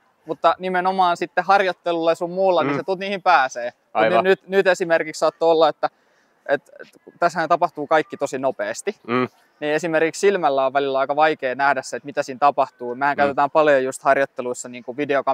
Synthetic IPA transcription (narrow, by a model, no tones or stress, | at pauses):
mut̪ːɑnimenomɑːnsit̪ːehɑrjot̪ːelulːesummuːlːɑniset̪ut̪niːhimpæːseː | knyt̪nyt̪esimerkikssɑːt̪ːoolːɑet̪ːæ | ʔet̪kut̪æshæːnt̪ɑpɑht̪uːkɑikːit̪osinopeːst̪i | niːesimerkikssilmælːæoʋʋælilːæɑikɑʋɑikeːnæhdæsset̪mit̪æsiːnt̪ɑpɑht̪uːmæhæŋkæyt̪et̪æːmpɑljojust̪hɑrjot̪ːeluisːɑniːŋkuʋideokɑ